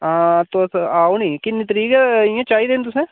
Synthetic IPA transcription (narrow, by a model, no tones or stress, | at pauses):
aːt̪oaːonikinɪt̪ɾiːɡjẽt͡ʃaːid̪eːnt̪̬ʊsẽ